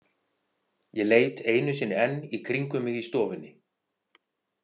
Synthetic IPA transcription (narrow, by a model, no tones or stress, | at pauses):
jɛleːjt̪eːjnʏsɪnːɪɛnːikʰɾiŋkʏmɪɣist̪ɔːvɪnːɪ